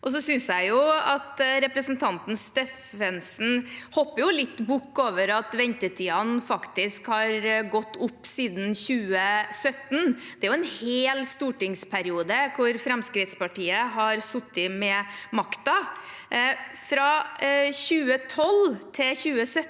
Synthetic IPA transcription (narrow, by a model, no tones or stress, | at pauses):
ʔɔs̬ɔsʏnsjæɪjʊɑt̪ɾɛpɾəsnt̪ʰɑnt̪n̩st̪ef | ɛnsn̩hɔpːəjʊlɪt̪ːbʊkːoːʋəɾɑt̪ʋɛnt̪ətʰiːɑnfɑkt̪ɪskhɑɾɡɔt̪ːʊpːsiːd̪n̩çʉːəsœt̪nd̪̥ɛæɾjʊɛnheːlst̪uːʈɪŋspʰæɾɪuːd̪əkʰʊɾfɾɛmskɾɪt̪spɑʈiːəɦɑɾsʊt̪ːɪmɛmɑkt̪ɑ | fɾɑçʉːət̪ʰɔlt̪ʰɪlçʉːəsœ